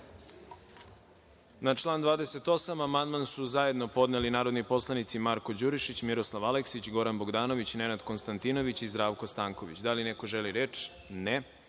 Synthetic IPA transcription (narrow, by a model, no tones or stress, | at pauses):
nat͡ʃlˠaːnd̪ʋaːd̪ese̞t̪o̞samamand̪mansuzaje̞d̪no̞po̞d̪nelinaːɾo̞d̪nipo̞slˠanit̪simaɾko̞d͡ʑuɾiʃit͡ɕmiɾoslˠaʋaleksit͡ɕɡo̞ɾanbo̞ɡd̪aːno̞ʋit͡ɕne̞nad̪ko̞nst̪ant̪ino̞ʋit͡ɕizd̪ɾaːʋko̞st̪aːŋko̞ʋit͡ɕd̪aline̞ko̞ʒeliɾeːt͡ʃ | ne